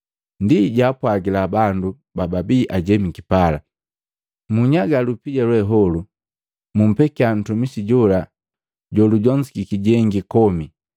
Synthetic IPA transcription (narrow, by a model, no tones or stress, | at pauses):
ndiɟaːpwaɡilabandu | bababiʔaɟɛmikipala | muɲaɡalupiɟalwɛɦɔlu | mum̩pɛkian̩tumisiɟɔla | ɟɔluɟɔɲsi̥kikiɟɛŋɡikɔmi